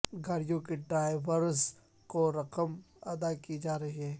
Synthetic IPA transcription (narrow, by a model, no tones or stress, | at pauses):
ɡʱaːɾɪjõkeɖɾaːjʋəɾz | koɾɐqəm | ɐd̪akid͡ʒaːɾɐɦiɦɛː